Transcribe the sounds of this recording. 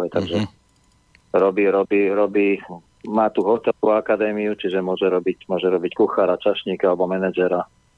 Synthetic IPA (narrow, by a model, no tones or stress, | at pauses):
ɛt̪aɡʒɛ | ɾɔbiːɾɔbiːɾɔbiː | maːt̪uɦɔt̪ɛkuakad̪ɛːmiut͡ʃiʒɛmʊɔʒɛɾɔbicmʊɔʒɛɾɔbickuxaːɾat͡ʃaʃɲiːkalɛbɔmɛnɛd͡ʒɛɾa